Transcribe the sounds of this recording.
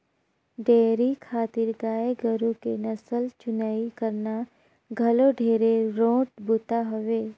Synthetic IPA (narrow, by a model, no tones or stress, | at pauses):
ɖeːɾikʰaːt̪ɪɾɡaːeɡəɾũkenɐsəlt͡ʃʊnaːikəɾna | ɡʱɐloɖʱeːɾeɾõːʈbʊt̪aɦʊʋeː